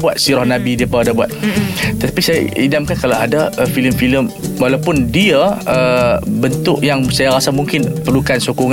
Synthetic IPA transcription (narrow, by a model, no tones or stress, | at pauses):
buat̪̚siɾɔhnãbidiəpaadabua̰t̪̚t̪t̪apisajaidamkankalaadaəfiləmfiləmwalawpʊndiaəbənt̪ʊʔjaŋsajaɾasamũŋkɪnpərlukansokɔŋ